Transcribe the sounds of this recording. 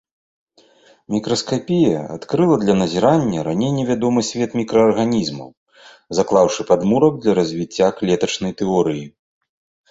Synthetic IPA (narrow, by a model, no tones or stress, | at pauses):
mʲikɾɐskapʲijɐa̰t̪kɾɨlˠɐd̪lʲɐnɐzʲiɾanʲːɐɾanʲejnʲɛvʲad̪ɔmɨsʲvʲɛt̪mʲikɾɐɐrɣanʲizmɐ̰w | zaklˠawʂɨpad̪muɾɐk̚d̪lʲɐɾɐzʲvʲit͡sʲːaklʲɛt̪ɐt͡ʂnɐjt̪ɛɔɾɨji